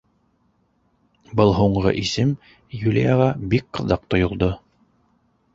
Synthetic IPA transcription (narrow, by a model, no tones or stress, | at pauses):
bɤlˠɦuɴʁɤ̰ʔisɘm | julʲḭjɑʁɑbik̚qɤ̆ðɑq̚t̪ŏjŏlˠd̪o